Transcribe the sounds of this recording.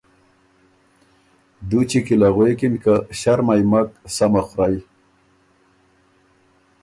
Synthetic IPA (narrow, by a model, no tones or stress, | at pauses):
d̪ut͡ɕikilaɣwekinkaɕaɾmajmaksamaxɾaj